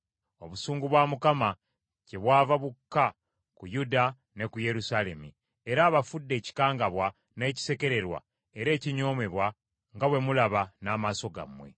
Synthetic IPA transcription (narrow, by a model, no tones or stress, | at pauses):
o̞̰βusuːŋɡuβwamukama | ce̞βwaːvaβukːa | kujuda | ne̞kuje̞ɾusaːle̞mi | eɾaːβafudːe̞ːci̥kaːŋɡaβwa | ne̞ːci̥se̞ke̞ɾe̞ɾwa̰ | eɾe̞ːciɲo̞ːme̞βwa | ŋɡawe̞mulaβanaːmaːso̞ɡa̰mwe̞̰